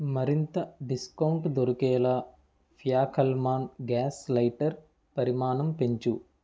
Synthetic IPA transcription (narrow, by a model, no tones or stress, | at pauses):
mɐɾint̪ɐɖiskɐwɳʈd̪oɾukɛːlɐa | pʰijaːkʰɐlmaːnɡaːslɐjʈɐɾ | pɐɾimaːnɐmpeɲt͡ʃu